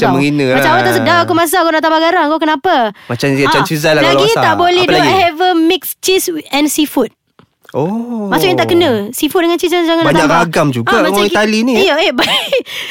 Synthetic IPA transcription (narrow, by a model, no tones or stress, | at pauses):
aməŋinəmat͡ʃamat̪aʔsədaakumas̬akunaʔt̪abaɡaɾaŋkokənãpamat͡ʃamat͡ʃamt͡ʃizalalaɡiat̪aʔbolɛhuahɛvəmɪkst͡ʃisɛnsifut̪̚ | ʔomasʊʔjãŋt̪aʔkənə̃sifut̪̚dəŋant͡ʃisad͡ʒaŋanaɲaaɡamd͡ʒuɡaaŋait̪alinijəeba